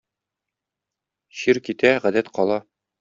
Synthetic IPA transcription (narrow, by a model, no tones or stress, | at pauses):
ɕiɾkit̪æʁæd̪æt̪qɒlˠɑ